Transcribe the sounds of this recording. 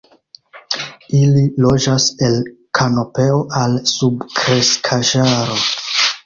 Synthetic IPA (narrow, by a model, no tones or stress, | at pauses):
ililo̞d͡ʒase̞lkʰano̞pe̞oʔalsubkɾeskʰaʒaɾo̞